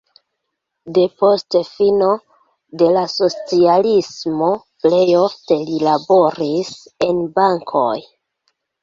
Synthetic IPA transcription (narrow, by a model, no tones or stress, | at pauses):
de̞po̞stefino̞ | de̞laso̞t͡sialismo̞ple̞jofte̞lilabo̞ɾise̞nbaŋkʰo̰j